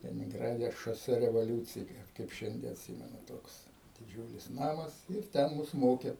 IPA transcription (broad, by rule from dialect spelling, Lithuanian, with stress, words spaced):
lʲɛnʲɪŋˈɡrɑːdʲɛ ʃoːˈsʲɛ rʲɛʋoːˈlʲuːt͡sʲɪjɪ kɐɪp ˈʃʲɛnʲdʲiɛ ɐtʲˈsʲiːmʲɛnʊ ˈtoːks dʲɪˈd͡ʒʲuːlʲɪs ˈnɑːmɐs ɪr ˈtʲɛn ˈmʊs ˈmoːkʲɛ